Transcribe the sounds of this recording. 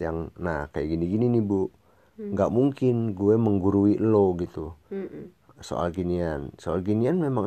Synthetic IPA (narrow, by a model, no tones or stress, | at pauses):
jaŋnahkajaɡiniɡininibu | ŋɡaʔmuŋkɪnɡuɛməŋɡuɾuiʔloɡit̪u | so̰ʔa̰lɡiniansoalɡinianmemaŋ